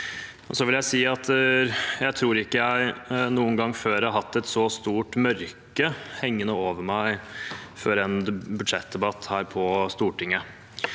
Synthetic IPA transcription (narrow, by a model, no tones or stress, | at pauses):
ɔsɔʋɪljæɪsiːɑt̪ | jæɪt̪ʰɾuːɾɪkːəjæɪnuːənɡɑŋːføːɾæhɑɦɑt̪ːɛt̪sɔst̪uːʈmœɾkəhɛŋːənəoːʋəɾmæɪfɔɾɛnbʉd̪ʂɛt̪̚d̪ɛbɑt̪ːhæːɾpʰɔst̪uːʈʰɪŋːə